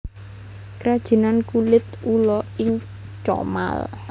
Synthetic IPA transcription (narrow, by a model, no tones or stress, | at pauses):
kɾad̥ʒ̥i̤nankulɪt̪ulɔɪŋ | t͡ʃɔ̰ma̰l